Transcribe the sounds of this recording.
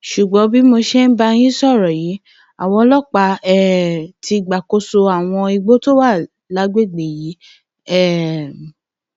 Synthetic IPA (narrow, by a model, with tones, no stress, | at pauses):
ʃu˨ɡ͡bɔ̃˨˦bi˦mo˧ʃe˦n̩˦ba˧j̃ĩ˦sɔ˦˨ɾɔ˨ji˨˦ | a˨w̃ɔ̃˧lɔ˦˨k͡pa˨˧ɛ˦˨tʰi˧ɡ͡ba˨ko˧so˧a˨w̃ɔ̃˧i˧ɡ͡bo˦to˦wa˦˨ | la˨˦ɡ͡be˦˨ɡ͡be˨ji˨˦ | ɛ˦˨